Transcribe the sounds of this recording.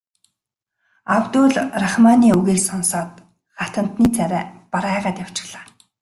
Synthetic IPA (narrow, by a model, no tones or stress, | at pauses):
awt̪uːɮraχmaniːuɣeːɮsɔnsɔːt̪̚ | χat̪ə̆n̥t̪niːt͡sʰæɾʲæːpaɾaːʁaːt̪jaw̥t͡ɕɪ̥̆ɣɮ̥aː